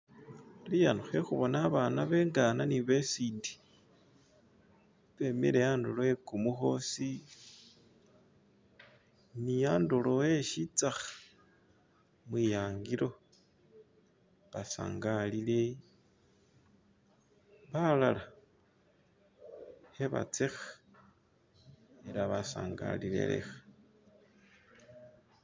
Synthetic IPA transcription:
lijanuxexuβo̞naβanaβe̞ːŋɡananiβesiːndi̥ | βe̞mḭɾejaːndoloekumuxo̞si | nijaːndolowe̞ʃit͡saxḁ | mwijaːŋɡiɾo̞ | βasa̰ːŋɡalile | βalala | eβa̰t͡sexa | eɾaβasa̰ːŋɡa̰lile̞̰lḛxḁ

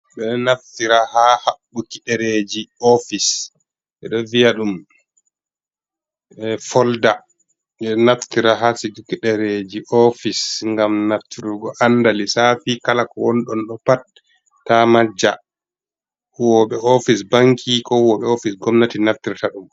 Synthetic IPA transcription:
ɓɛnaftiɾahahaɓːukiɗɛɾed͡ʒiɔfis | ʔɛ̰ɗɔvijaɗum | ɛfɔlda | ɓɛnaftiɾaɦasiɡukiɗɛɾed͡ʒiʔɔfisŋɡamnaftiɾuɡɔʔandalisafikalakɔwɔnɗɔnɗɔpat̚ː | amad͡ʒa̰ | wɔɓɛɔfisbaŋkʰikɔwɔɓɛofisɡɔmnatinaftiɾtaɗum

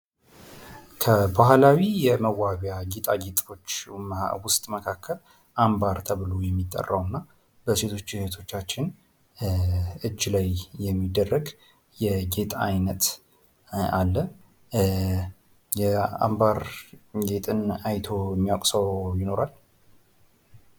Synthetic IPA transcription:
kʰəbahlawijɛməwːaβjaɡit̪ʼaɡet̪ʼo̞t͡ʃːwʊst̪ʼməkʰakʰːəl | ʔambaɾt̪ʰəβɨlojɛmːit̪ʼːə̰rːawnːa | b̥əse̞t̪ʰo̞t͡ʃːɪht̪ʰo̞t͡ʃːat͡ʃːɪn | ɨd͡ʒːlajjɛmːid̪ːərːəɡ | jɛɡe̞t̪ʼajnət̪ | alːə | jɛa̰mbaɾɡe̞t̪ʼɨnajt̪ʰo̞jɛmːiakʼsəwjɪno̞ɾal

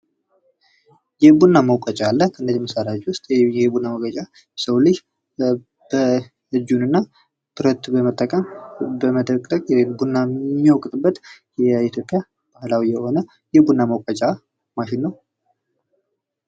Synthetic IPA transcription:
jɛbunːaməwkʼət͡ʃʼaalːəkʰəɨnːəzməsaɾad͡ʒwʊst̪ʼɛbunːaməwkʼət͡ʃʼa | səwlɨd͡ʒ | b̥ə | ɨd͡ʒunɨnːa | b̥ɨɾət̪bəmət̪ʼːəkʼəmbəməd̪əkʼəkʼbunːamowkʼɨt̪ʼɨbːət̪jɛit̪ʰjo̞pʼːja | b̥ahlawijɛho̞nə | jɛbunːaməwkʼət͡ʃʼa | maʃɪnːəw

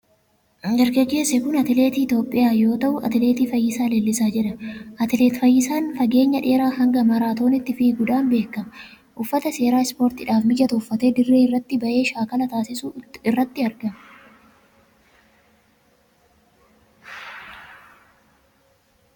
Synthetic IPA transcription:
ɡɐɾɡɐɡe̞ːsɛkʊnɐt̪ɪle̞ːt̪iːt̪o̞ːpʼːɪjaːjo̞ːt̪ɐʔʊʔɐ̰t̪ɪleːt̪iːfɐjːɪsaːleːlːɪsaːd͡ʒɛᶑɐʔɐt̪ɪleːt̪fɐjːɪsaːnfɐɡe̞ːɲːɐᶑe̞ːɾaːhɐŋɡɐmɐɾaːt̪o̞ːnɪt̪ːɪfiːɡʊd̪aːnbe̞ːkːɐmɐ | ʔʊfːɐt̪ɐse̞ːɾaːɪspo̞ːɾt̪ɪᶑaːfmɪd͡ʒɐt̪ɐʊfːɐt̪e̞ːd̪ɪrːeːɪrːɐt̪ːɪbɐʔe̞ːʃaːkɐlɐt̪aːsɪsuɪrːɐt̪ːɪɐɾɡɐmɐ̥

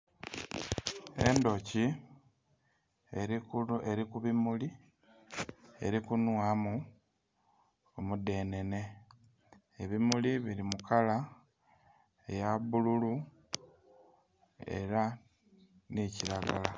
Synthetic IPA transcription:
e̞̰ndo̞ci | eɾikuβimuli | e̞̰ɾikunwamu | omude̞ne̞ne̞ | eβimuliβiɾimukʰala | ejaβululu | e̞̰ɾa | niciɾaɡa̰la

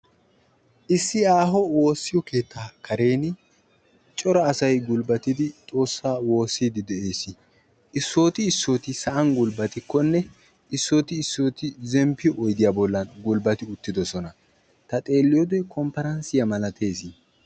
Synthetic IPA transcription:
ʔɪsːɪaːɦɔwo̞ːsːɪjɔke̞ːt̪ʰːaːkʰɐɾe̞ːn | t͡ʃʼɔɾɐːsɐjɡʊlbɐt̪ɪd̪ɪt̪ʼo̞ːsːaːwo̞ːsːiːd̪ɪd̪ɛe̞ːsɪ | ɪsːo̞ːt̪ɪːsːo̞ːt̪ɪsɐʔɐŋɡʊlbɐt̪ɪkːɔnːɛ | ɪsːo̞ːt̪ɪːsːo̞ːt̪ɪzɛmpːɪʔɔjd̪ɪjaːbɔlːɐnɡʊlbɐt̪ɪʊt̪ːɪd̪ɔsɔnɐ | t̪ɐt̪ʼe̞ːlːɪjɔd̪ɛjkʰɔmpɐɾɐnsɪjɐmɐlɐt̪ʰe̞ːsɪ

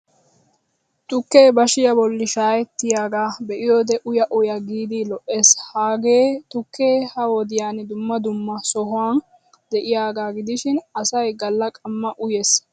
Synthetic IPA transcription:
t̪ʼʊkːeːbɐʃɪjɐbɔlːɪʃaːjɛt̪ːɪjaːɡaːbɛʔɪjoːd̪ɛʔʊjɐʔʊjɐɡiːd̪ɪlɔʔːeːshaːɡeːt̪ʊkʰːe̞ːhɐwɔd̪ɪjaːnɪd̪ʊmːɐd̪ʊmːɐsɔɦʊwaːn | d̪ɛʔɪjaːɡaːɡɪd̪ɪʃɪnɐsɐjɡɐlːɐkʼɐmːɐʔʊjeːs

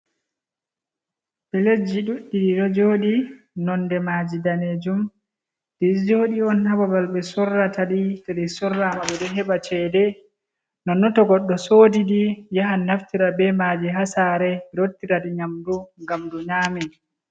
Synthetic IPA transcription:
ɓɛled͡ʒːiɗuɗːiɗiɗɔd͡ʒoːɗi | nɔndɛmad͡ʒidaneːd͡ʒum | d̥id͡ʒoɗiɔnhababalɓɛsɔrːataɗitaɗisɔrːamaɓɛɗɛɦɛbat͡ʃɛːdɛ | nɔnːɔtɔɡɔɗːɔsoːdidijaɦanːaftiɾabɛmad͡ʒiɦasaːɾɛɾotːiɾadiɲamduŋɡamduɲaːmɛ

